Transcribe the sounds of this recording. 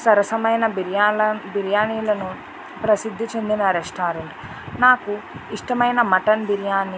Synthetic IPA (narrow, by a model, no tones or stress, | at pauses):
sɐɾɐsɐmɐjnɐbiɾjaːɐbiɾjaːniːlɐnu | pɾɐsid̪ʱːit͡ʃe̞nd̪inɐɾeʂʈaːɾeɳʈ | naːkuiʂʈɐmɐjnɐmɐʈɐnbiɾjaːni